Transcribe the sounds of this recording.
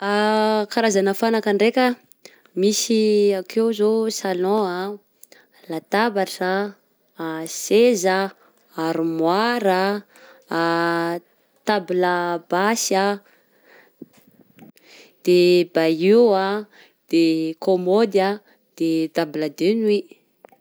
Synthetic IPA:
akaɾazanəfanakaɳɖ͡ʐekʲə | misiakewzosalɔ̃a | lat̪abaʈ͡ʂaː | sezaː | ɾumwaɾa | t̪abilabasa | d̪̥ebajia | d̪̥ekomod̪a | d̪̥et̪abilad̪enwi

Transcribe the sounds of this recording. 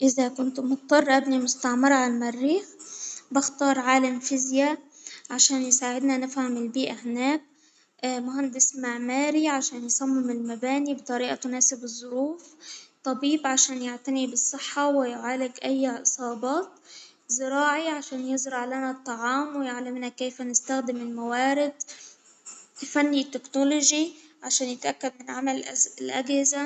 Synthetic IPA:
ʔɪzakʊnt̪mʊt̪̚ˤːɑrˤːʔabnimʊst̪aʕmɑɾˤʕalmarːiːxbɪxt̪ɑːɾˤʕaːlamfɪzja | ʕaʃaːnjsaːʕɪd̪nanɪfhamɪlbiːʔahɪnæːk̚ | mʊhand̪ɪsmaʕmaːɾiʕaʃaːnjsˤɑmːɪmɪlmabaːnibt̪ˤɑɾiːʔat̪ʊnaːsɪbɨzˤːʊɾuːft̪ˤɑbiːbʕaʃaːnjɪʕt̪anibɨsˤːɨħːɑwɪjʊʕaːlɪɡʔajːaʔɨsˤɑːbɑːt̪ | zɪɾɑːʕiʕaʃaːnjɪzɾɑʕlanat̪ˤːɑʕɑːmwjaʕlamnakeːfanɪst̪axd̪ɪmɪlmawaːɾɪd̪ | fanːit̪ːɪknoloʒiʕaʃaːnjɪt̪ʔakːad̪mɪnʕamalʔlʔaɡhɪza

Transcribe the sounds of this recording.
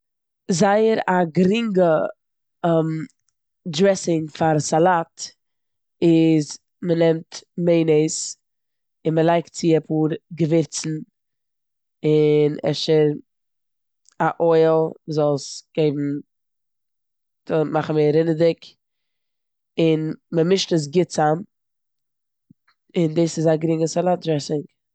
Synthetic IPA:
zaɪəɾaɡɾɪŋɡə | m | dɾɛsɪŋfaɾsalˠat | ɪz | mənɛmtmeɪneɪs | ɪnməlˠaɪktt͡sɪjɛpʰuːɾɡəvɪɾt͡sn̩ | ɪnɛ̰ʃɪ | aʔɔɪlˠzɔlˠsɡ̥eɪbm̩ | d̥omaχn̩meɪɾɪnədɪk | ɪnməmɪʃtəs̬ɡɪt͡sam | ɪndiːsɪzaɡɾɪŋəsalˠat̚dɾɛsɪŋ

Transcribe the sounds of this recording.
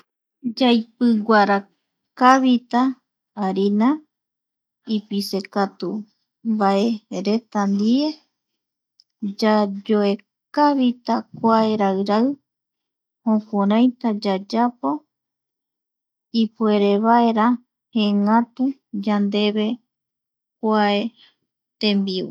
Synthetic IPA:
d͡ʒajpɨɡʷaɾa | kaβit̪aː | ɾina | ipise̞kat̪u | mbaeɾet̪and̪ie̞ | d͡ʒad͡ʒoe | kaβit̪akʷae̞ɾawɾaɨ | hõkʷoɾãj̃t̪ad͡ʒad͡ʒapo̞ | ipueɾe̞βaeɾa | hẽŋãt̪ud͡ʒand̪e̞βe̞ | kʷae | t̪ẽmbiṵ

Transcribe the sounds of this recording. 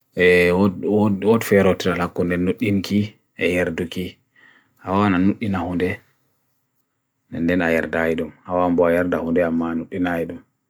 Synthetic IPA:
ɛ | wɔtfɛɾɔtiɾalakːundɛnːuɗːinki | ʔɛjɛɾduki | hawananuɗːinahundɛ | nɛndɛnajɛɾdajidumhawambɔjɛɾdahundɛamːanuɗːinajidum

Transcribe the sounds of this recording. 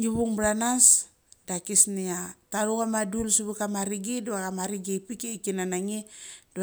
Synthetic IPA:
ŋiβuŋbɾanas | dakisniataɾukamadulsuβukamaɾiɡiduwakamaɾiɡepikeikinanaŋid̥u

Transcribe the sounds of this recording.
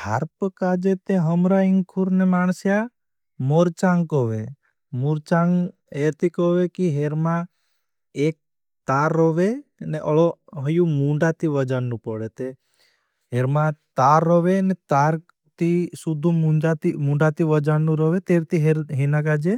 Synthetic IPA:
a̰ɾpəkad͡ʒet̪eɦəmɾaiŋkʰuɾnemansja | moɾt͡ʃaŋɡkɔʋe | muɾt͡ʃaŋ | et̪ikɔʋekiɦeɾmã | ek̚ | t̪aɾːɔʋeneʔɔɭɔɦəjumũɳɖat̪iʋəd͡ʒanːũpɔɽet̪e | ɦeɾmãt̪aɾːɔʋenɛt̪aɾ | t̪isud̪ʱumuɖat̪imũɳɖat̪iʋəd͡ʒanːũɾɔʋet̪eɾt̪iɦɦenakad͡ʒe

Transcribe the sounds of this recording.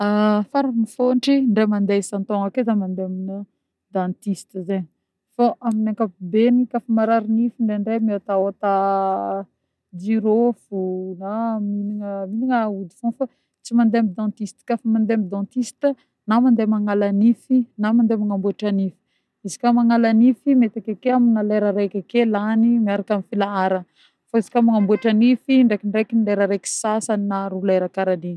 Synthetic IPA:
afaɾamifonʈ͡ʂiɳɖ͡ʐemand̪esant̪oŋakezamand̪eaminə | d̪ãnt̪ist̪əzeɲ | faʔaminaŋkapbenikafəmaɾaɾinifiɳɖ͡ʐeɳɖ͡ʐemiat̪aot̪a | d͡ʒiɾofunaminiŋəminiŋaud̪i̥funfa | t͡simand̪eamid̪ɑ̃t̪ist̪i̥kafamand̪eamid̪ãt̪ist̪ə | namand̪emaŋalanifinamand̪emaŋambueʈ͡ʂanifi̥ | izi̥kamaŋalanifimet̪akakeaminaleɾaɾekʲakelanimiaɾakamifilaaɾə | faizi̥kamaŋambueʈ͡ʂanifiɳɖ͡ʐekiɳɖ͡ʐekinleɾaɾeki̥sasaninaɾuleɾakaɾali

